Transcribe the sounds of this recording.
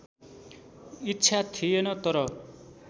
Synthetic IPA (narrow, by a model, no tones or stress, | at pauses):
itːsʰat̪ʰijenʌt̪ʌɾʌ